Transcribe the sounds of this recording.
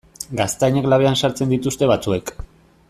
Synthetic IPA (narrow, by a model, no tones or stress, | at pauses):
ɡast̪ajɲeklaβ̞e̞ansaɾt͡send̪it̪ust̪e̞βat͡sue̞k